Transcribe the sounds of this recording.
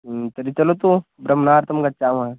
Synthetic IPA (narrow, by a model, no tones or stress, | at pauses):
t̪ɐɾit͡ʃɐlot̪obɾɐmnaːɾt̪ɐmɡɐʈ̚t͡ʃaːmã